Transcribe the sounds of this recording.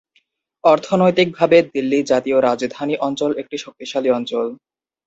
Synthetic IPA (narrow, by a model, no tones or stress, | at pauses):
ɔɾt̪ʰonojt̪ik̚bʱabed̪ilːid͡ʑat̪ioɾad͡ʑd̪ʱaniʔɔnt͡ɕolek̚ʈiʃok̚t̪iʃaliɔnt͡ɕol